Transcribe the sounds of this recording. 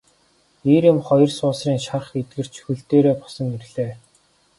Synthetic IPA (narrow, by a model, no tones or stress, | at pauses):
eɾɪ̆mχɔjɞ̆rsʊːsriːŋʃarχet̪̚ɡɘ̆r̥t͡ɕʰɵ̥xɘ̆ɬt̪eːɾeːpɔ̥sɞ̆ŋerɮeː